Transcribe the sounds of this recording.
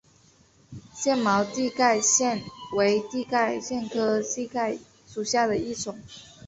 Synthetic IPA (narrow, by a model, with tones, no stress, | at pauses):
ɕjɛ˥˩nmɑ˧˥ʊt̪i˥˧ka˥˧ɪɕjɛ˥˩nwe˧˥ɪt̪i˥˧ka˥˩ɪɕjɛ˥˩nkʰɤ˥ɕi˥˧ka˥˩ɪ | ʂu˨˩ɕja˥˩d̪ə˩i˥˩ʈ͡ʂʊ˨˩˦ŋ